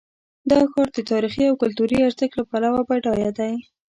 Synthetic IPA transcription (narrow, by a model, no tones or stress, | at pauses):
d̪ɑxɑɾd̪ət̪ɑɾixiawkʊlt̪uɾiaɾzəklapalawabajʈɑjɑd̪aj